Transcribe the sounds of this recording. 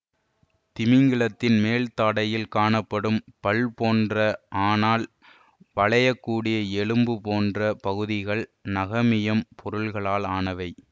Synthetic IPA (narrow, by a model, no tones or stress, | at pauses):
t̪ɪmɪŋɡɪɭɐt̪ːɪnmeːlt̪aːɽɐjɪlkaːɳɐpːɐɽɯmpɐɭpoːndrɐʔaːnaːl | ʋɐɭɐjɐkːuːɽɪjɐɛɭɯmbɯpoːndrɐpɐɣɯðɪɣɐɭnɐɣɐmɪjɐmpʰɔɾɯɭɣɐɭaːlaːnɐʋɐɪ